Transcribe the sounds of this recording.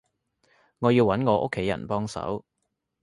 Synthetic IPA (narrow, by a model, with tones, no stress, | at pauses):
ŋɔː˨˧jiː˧wɐ˨˥nŋɔː˨˧ʔo̰˥kʰːe˨˥jɐ̰˨˩npɔː˥ŋsɐ̰˨˥w